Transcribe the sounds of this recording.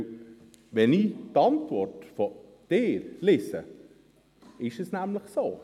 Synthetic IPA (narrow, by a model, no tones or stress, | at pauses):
ʋɛnitɑntvɔrtfɔ | d̥eːɾlɪsə | ɪʃɛsnæmləχsoː